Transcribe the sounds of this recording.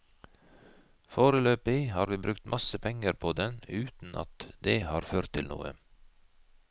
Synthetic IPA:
foːɾəløːpɪhɑːɾʋiːbɾʉkt̪mʔɑsəpʰɛŋəɾpʰoːd̪ɛnʉːt̪n̩ʔɑ̰t̪d̪eːhɑːɾføːɾt̪ʰːɪlnṵːə̰

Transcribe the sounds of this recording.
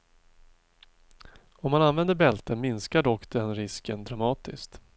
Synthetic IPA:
ɔmːananvɛnd̪əɾbɛlt̪əmɪnskaɖɔkːd̪ɛnɾɪskənd̪ɾamɑːt̪ɪ̰skt̪

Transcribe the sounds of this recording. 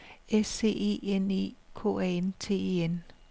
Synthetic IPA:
ese̝̰ːe̝̰ːenḛːkʰo̝̰ɛent͡sʰe̝̰ːḛːen

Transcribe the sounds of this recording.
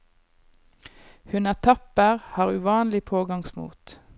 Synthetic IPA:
hʉnæt̪ʰɑpəʁhɑːʁʉʋɑːnlɪpʰoːɡɑŋsmṵːt̪

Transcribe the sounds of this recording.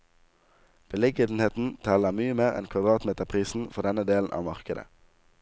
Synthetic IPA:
b̥əlɛɡəd̪n̩heːt̪n̩t̪ʰɛləmyːəmeːʁɛ̰nkʰʋɑd̪ʁɑːt̪meːt̪əʁpʰʁiːsn̩fɔʁd̪ɛnəd̪eːln̩ʔɑ̰ːʋmɑʁkəd̪ə̰

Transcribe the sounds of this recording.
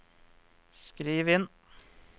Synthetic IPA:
skɾiːʋɪn

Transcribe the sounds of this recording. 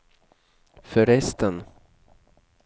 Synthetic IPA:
fœɾɛst̪ən

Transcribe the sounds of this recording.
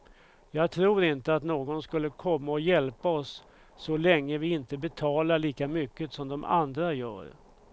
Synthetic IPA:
jɑːɡt̪ʰɾuːɾɪnt̪əat̪noːɡɔnskɵlːəkʰɔmːaɔjɛlpaɔsː | ɔlɛŋːəvɪɪnt̪əbɛt̪ʰɑːlaɭiːkamʏkːəsɔmd̪ɔma̰nd̪ɾajœ̰ːɾ

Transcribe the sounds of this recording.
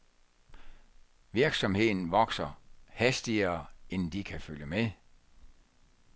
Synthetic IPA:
ʋiɐɡ̥sɒ̽mhe̝ð̰ˠn̩ʋɒ̽ɡ̥sɐhæsd̥iɐːend̥ikʰæføljəme

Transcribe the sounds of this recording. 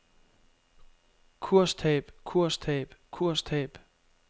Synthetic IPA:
kʰuɐ̰st͡sʰɛ̰ːb̥kʰuɐ̰stʰɛ̰ːb̥kʰuɐ̰stʰɛːb̥

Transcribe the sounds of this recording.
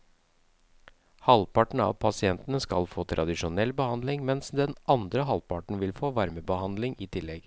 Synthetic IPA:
hɑlpɑʈɳ̩ɑ̰ːʋpʰɑsɪɛnt̪ənəskɑlfoːt̪ʰɾʔɑd̪ɪʂʊnɛlːbəhɑnd̪lɪŋmɛnsd̪ɛnʔɑnd̪ɾəɦɑlpɑʈɳ̩ʋɪlfoːʋɑɾməbəhɑnd̪lɪŋiːt̪ʰɪlːɛɡ

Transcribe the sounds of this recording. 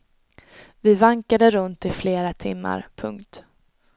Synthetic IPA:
vɪvaŋkad̪əɾɵnt̪ɪfleːɾat̪ʰɪ̰mːa̰ɾpʰɵ̰ŋkt̪

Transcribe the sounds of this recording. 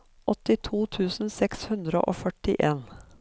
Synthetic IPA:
ʔɔt̪ɪt̪ʰuːt̪ʰʉːsn̩sɛkshʉnd̪ɾəʔoːfœʈɪ̰ʔeːn

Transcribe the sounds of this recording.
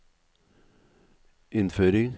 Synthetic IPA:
ɪnføːɾɪŋ

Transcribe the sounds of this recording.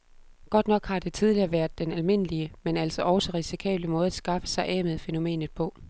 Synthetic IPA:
ɡ̥ɒ̽d̥nɒ̽ɡ̥hɑ̈d̥e̝t͡sʰið̞ˠliɐːʋæɐd̥ˠd̥enælme̝n̰əliəmenæl̰sɒʔɒʊsɒʁisikʰɛ̰ːb̥ləmɔ̽ːðˠɐsɡ̥ɑ̈fə̥sɑ̈ɪʔɛ̰ːmeð̩ˠfeno̝me̝̰ːnð̩ˠpʰɒ̽

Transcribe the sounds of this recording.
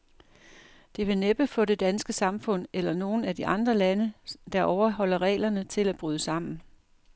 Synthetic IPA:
d̥e̝ʋe̝neb̥əfɔ̽de̝d̥ænsɡ̥əsɑ̈mfɔ̽n̰elɐno̝ːn̩æd̥iʔɑ̈nd̥ʁɐlænəd̥ɑ̈ʔɒʊɐɦɒ̽l̰ɐʁɛ̰ːlɐnət͡sʰe̝læb̥ʁyːð̞ˠəsɑ̈m̰n̩

